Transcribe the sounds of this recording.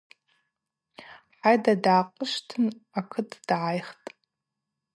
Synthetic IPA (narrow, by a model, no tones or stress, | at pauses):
ħajdadaːqʼəʃtʰɨnakʰɨtʰʼd̥ʕajχtʼ